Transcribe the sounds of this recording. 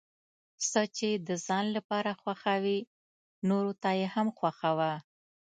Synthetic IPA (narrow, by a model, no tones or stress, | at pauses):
sət͡ʃed̪əzɑnlapɑɾaxwaxawi | noɾot̪ajehamxwaxawa